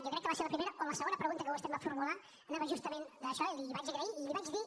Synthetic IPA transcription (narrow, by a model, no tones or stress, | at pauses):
jokɾɛkːəβaseɾləpɾimeɾəʔonləsəɣonəpɾəɣunt̪əkəβosɛmbafuɾmula | naβəʒust̪əmẽnd̪əʃɔeliliβat͡ʃəɣɾəiilliβat͡ʃði